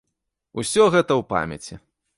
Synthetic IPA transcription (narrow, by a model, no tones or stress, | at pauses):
usʲɔɣɛt̪ɐwpa̰mʲɐ̰t͡sʲi